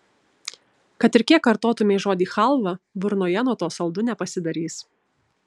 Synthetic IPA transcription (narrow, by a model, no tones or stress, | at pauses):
kɐt̪ɪɾkʲiɛkːɐɾt̪oːt̪ʊmʲeːʒoːd̪ʲiːxɐlˠʋɐbʊɾnoːjɛnuɔt̪uːsɐlˠd̪ʊnʲɛpɐsʲɪd̪ɐɾʲiːs